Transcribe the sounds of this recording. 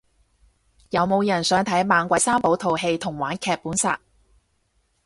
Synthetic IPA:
jɐ˨˧wmo˨˧wjɐ˨˩nsœː˨˥ŋt̪ʰɐ˨˥jmaː˨˧nkʷwʷɐ˨˥jsaː˥mpo˨˥wt̪ʰo˨˩wɦe˧jt̪ʰʊ˨˩ŋwaː˨˥nkʰɛː˧k̚pːuː˨˥nsa̰ː˧t̚

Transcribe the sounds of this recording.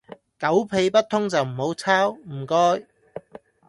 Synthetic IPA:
kɐ˨˥wpʰe˧jpɐ˥t̚t̪ʰʊ˥ŋt͡sɐ˨wm̩˨˩ho˨˥wt͡sʰaː˥wm̩˨˩kɔː˥j

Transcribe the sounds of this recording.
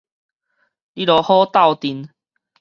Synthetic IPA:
li˦lɔ˨˧hɔ˦t̪a˥˨wt̪i˨˧n

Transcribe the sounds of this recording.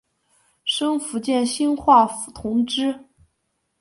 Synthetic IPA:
ʂɤ˥ŋfu˧˥t͡ɕjɛ˥˩nɕi˥nxwa˥˩fu̥˨˩t̪ʰʊ˧˥ŋʈ͡ʂɻ̩˥

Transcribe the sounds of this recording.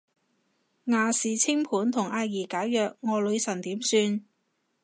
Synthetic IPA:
ŋaː˨˩siː˨˩t͡sʰɪ˥ŋpʰuː˨˥nt̪ʰʊ˨˩ŋʔaː˧jiː˨˩kaː˨˥jjœː˨k̚ŋɔː˨˧lɵ˨˧ɥsɐ˨˩nt̪iː˨˥msyː˧n

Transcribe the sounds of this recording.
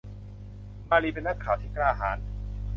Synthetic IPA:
maː˧li˧pe˧nːa˦˥kʰːaː˨˩˦wt̪ʰiː˥˩klaː˧ɦaː˩˦n

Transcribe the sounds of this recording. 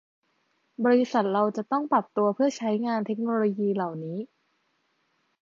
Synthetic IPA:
bɔː˧ɾi˧˦˥sa˨˩t̪̚ɾa˧wt͡ɕa˨˩t̪ɔ˥˩ŋpɾa˨˩p̚t̪u˧ɐpʰɯ˥˩ɐt͡ɕʰa˦˥jŋaː˧nt̪ʰe˦˥k̚noː˧loː˧jiː˧la˨˩wniː˦˥

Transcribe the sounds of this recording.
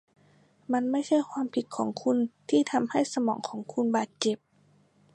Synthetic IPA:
ma˧˥˨nma˥˩jt͡ɕʰa˥˩jkʰwaː˧˥˨mpʰi˨˧˦t̪̚kʰɔː˩˦ŋkʰu˧˥˨nt̪ʰiː˧˥˩t̪ʰa˧mha˥˩jsa˧mɔː˩˦ŋkʰɔː˩˦ŋkʰu˧˥nbaː˨˩t̪̚t͡ɕe˨˩p̚

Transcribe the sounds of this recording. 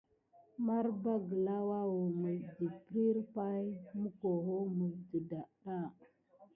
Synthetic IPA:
ma˦ɾba˦ɡə˨la˦wa˦wo˨mə˨vdi˨pɾi˦ɾpa˦jmu˦ko˨ɦo˦mə˨də˨da˨ɗa˦˨

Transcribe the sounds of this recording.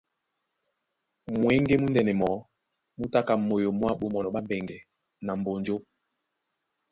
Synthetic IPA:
mwɛ˨˦ŋ˦ɡe˦mu˦ndɛ˨nɛ˨mɔ˨˦ | mu˦ta˦ka˨mo˨jo˨mwa˦ɓo˦mɔ˨nɔ˨ɓa˦mbɛ˨ŋɡɛ˨ | na˨m˨bo˨nd͡ʒo˦

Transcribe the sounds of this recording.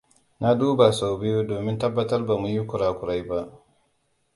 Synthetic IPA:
na˦duː˦ba˨sa˨wbɪ˦jo˦doː˨mɪ˦ntɐ˦bːɐ˦tɐ˦rba˨mu˨ji˦kʷʊ˨ɽaː˨kʷʊ˨ɽa˦jba˦ʔ

